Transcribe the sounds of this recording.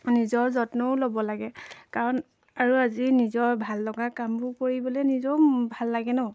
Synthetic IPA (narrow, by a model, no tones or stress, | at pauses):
nizɔɹzɔtnɔʊlobɔlaɡɛkaɹɔn | aɹuazinizɔɹbʱaldɔɡakambʊkoɹibɔlɛnizɔbʱalːaɡɛnɔʊ